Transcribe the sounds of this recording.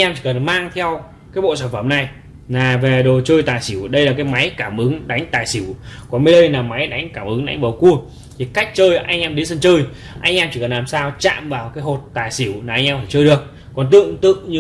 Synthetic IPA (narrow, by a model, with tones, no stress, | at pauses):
ʔa˧ɲ̟ʔɛ˧mt͡ɕi˧˩kə˨˩nmaː˧ŋt̪ʰɛ˧w | kaː˨˦jɓo̰˧˨saː˧˩nfə˧˩mna˨˩j | naː˨˩ve˨˩ɗo˨˩t͡ɕəː˧jt̪aː˨˩jsi˧˩əwɗə˧jlaː˨˩k̬aː˨˦jma˨˦jkaː˧˩mʔɨ˨˦ŋɗa˨˦jŋ̟t̪aː˨˩jsi˧˩əwkɔ˨˦nmi˨˧˦ɗə˧jnaː˨˩ma˨˦jɗa˨˦jŋ̟kaː˧˩mʔɨ˨˦ŋɗa˨˦jŋ̟ɓə˨˩wku˧ə | t̪ʰi˨˩ka˦˥jk̟̚t͡ɕəː˧jʔa˧jŋ̟ʔɛ˧mɗi˧˦sə˧nt͡ɕəː˧j | ʔa˧jŋ̟ʔɛ˧mt͡ɕi˧˩kə˨˩nlaː˨˩msaː˧wt͡ɕa̰ː˧˨mvaː˨˩wkaː˨˦jɦo˨˩t̚t̪aː˨˩jsi˧˩əwnaː˨˩ʔa˧jŋʔɛ˧mfaː˧˩jt͡ɕəː˧jɗɨ˨˩ək̚ | kɔ˨˩nt̪ɨ̰˧˨əŋt̪ɨ̰˧˨əŋɲ˧